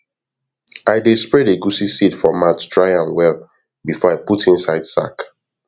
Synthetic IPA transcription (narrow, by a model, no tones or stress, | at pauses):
aɪdespɹɛdeɡusisidfɔmattʰɹaɪãnwɛlˠ | bifɔaɪputĩnsaɪd̥sa̰k